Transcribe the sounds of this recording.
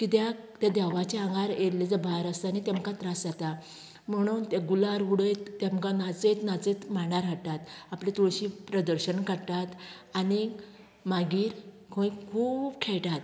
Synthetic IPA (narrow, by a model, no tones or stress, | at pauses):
kit̪ja | t̪jad̪ɛʋat͡ɕeãŋɡaɾeɾled͡zəbʱaɾəsanit̪ẽmkat̪ɾasd͡zat̪a | m̤əɽ̃uːnt̪aɡulaɾɦuɽəjt̪ːamkanat͡set̪nat͡set̪maɳaɾɦaʈat̪aplet̪oɭɕipɾəd̪əɾɕənkaɽt̪at̪ | ani | maɡiːɾ | kʰõĩkʰuːbkʰɛɭʈat̪